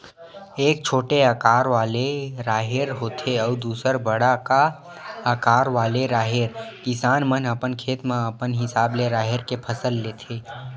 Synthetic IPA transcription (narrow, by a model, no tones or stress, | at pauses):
eːk̚t͡ʃʰoːʈeakaːɾʋaːleɾaːɦeɾɦoːt̪ʰeɔːɾd̪uːsəɾbəɽaka | əkaːɾʋaːleɾaːɦeɾkɪsaːnmənəpənkʰeːt̪mãəpənɦɪsaːbleɾaːɦɪɾkepʰəsəlːeːt̪ʰeː